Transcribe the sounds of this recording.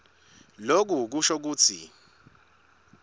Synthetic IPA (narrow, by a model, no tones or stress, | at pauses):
lok̬uk̬uʃɔk̬uːt͡sʰḭ